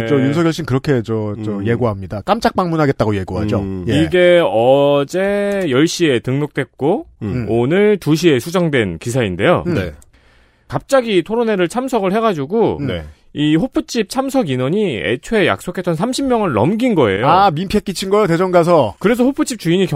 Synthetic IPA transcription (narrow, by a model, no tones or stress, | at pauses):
t͡ɕʌjunsʰʌɡjʌɭɕ͈ʰinkɯɾʌkʰe̞t͡ɕʌt͡ɕʌje̞ɡoɦamɲidak͈amt͡ɕ͈ak̚p͈aŋmunɦaɡet̚t͈aɡoje̞ɡoɦa̰d͡ʑojiɡe̞ʌd͡ʑe̞jʌɭɕ͈ie̞tɯŋnok̚t͈we̞k̚k͈oonɯɭtuɕ̬ʰie̞sʰud͡ʑʌŋdwe̞nkisʰainde̞jo̰ne | kap̚t͡ɕ͈aɡitʰoɾone̞ɾɯɭt͡ɕʰamsʰʌɡɯɭhe̞ɡad͡ʑuɡone | iɸopʰɯt͡ɕ͈ʰip̚t͡ɕʰamsʰʌɡinʌɲiḛt͡ɕʰoeja̰k̚s͈okʰe̞t͈ʌnsʰamɕʰimːjʌŋɯnːʌ̰mɡinɡʌe̞̰joamimpʰet̚k͈it͡ɕʰinɡʌjote̞d͡ʑʌŋɡas̬ʰʌkɯɾe̞s̬ʰʌhopʰɯt͡ɕ͈ʰip̚t͡ɕ͈uiɲikj